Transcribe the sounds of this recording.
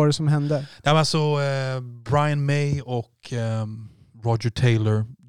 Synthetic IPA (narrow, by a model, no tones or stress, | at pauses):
ɑɖɛsɔmɦɛnd̪əd̪̥ɛhæɾalsɔ | bɾaɪənmɛɪɔkʰ | ɾɔd͡ʒəʈʰeɪləɾ